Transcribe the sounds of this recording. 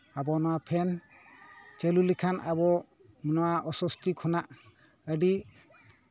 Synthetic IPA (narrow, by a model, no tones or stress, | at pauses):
abɔnɔwapʰɛn | t͡ʃelulikʰanʔa̰bɔ | minɔwaʔɔsɔst̪ikʰɔnaʔ | əɖi